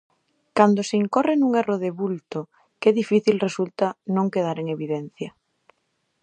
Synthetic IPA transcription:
kand̪oseiŋkorenũŋeroðeβult̪o | keðifiθilresult̪anõŋkeð̞aɾeŋeβiðen̟θja

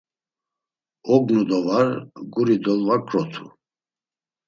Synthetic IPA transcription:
ɔɡnud̪ɔvaɾɡuɾid̪ɔlvakʼɾɔt̪ʰu̥̰

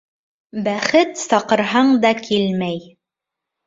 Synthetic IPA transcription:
bæχɘt̪sɑqɤ̆ɾɦɑɴd̪ɑkʰilmæj

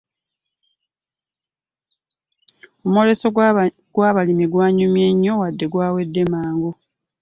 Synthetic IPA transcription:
omuole̞so | ɡwaːβalimiɡwaːɲumjeɲːo̞wadːe̞ɡwaːwe̞dːe̞maːŋɡo

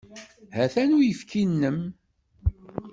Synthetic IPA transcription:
hæθænujəfkʰinːəm

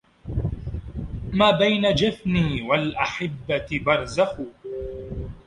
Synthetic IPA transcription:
maːbajnad͡ʒafniːwalʔaħɪbːabɑɾˤzaxuː

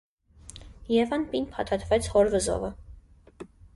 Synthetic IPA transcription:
jɛvɑnpinpʰɑt̪ʰɑt̪ʰvɛt͡sʰhɔɾvəzɔ̰və

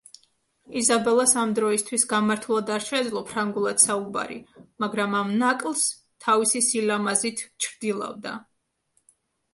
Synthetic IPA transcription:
izabɛlˠasamd̪ɾɔist̪ʰwisɡamaɾt̪ʰulˠad̪aɾʃɛd̪zlˠɔpʰɾaŋɡulˠad̪̥sauba̰ɾḭmaɡɾamamnakʼlˠs | t̪ʰavisisilamazit̪ʰt͡ʃʰɾd̪ilˠa̰vd̪a̰

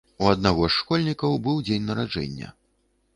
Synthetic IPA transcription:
uɐd̪naɣɔʂːkɔlʲnʲikɐwbɨwd͡zʲenʲnɐɾad͡ʐɛ̰nʲːɐ̰

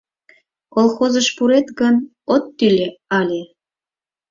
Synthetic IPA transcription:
kolˠxozəʃpuɾet̪ɡən | ot̪ːylʲeɑlʲe

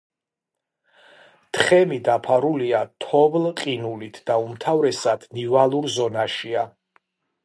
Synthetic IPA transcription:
t̪ʰχɛmid̪apʰaɾuliat̪ʰɔvlqʼinulit̪ʰd̪̥aumt̪ʰavɾɛsad̪̥nivalˠuɾzɔnaʃia

